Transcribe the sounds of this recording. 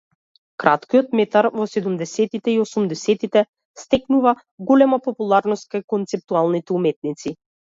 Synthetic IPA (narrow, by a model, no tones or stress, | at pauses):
kɾat̪kijɔt̪mɛt̪aɾvɔsɛd̪umd̪ɛsɛt̪it̪ɛiɔsumd̪ɛsɛt̪it̪ɛ | st̪ɛknuva | ɡɔlɛmapɔpulˠaɾnɔst̪̚kajkɔnt̪sɛp̚t̪ualˠnit̪ɛumɛt̪̚nit̪si